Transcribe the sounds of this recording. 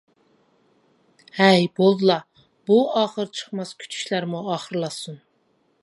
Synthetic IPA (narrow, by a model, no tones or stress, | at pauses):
hæjbolˠd̪ɨlˠɑ | buɑːχəɾt͡ʃʰə̥χmɑskʲʰy̥t͡ʃʰy̥ʃlæɾmuɑːχəɾlˠɑsun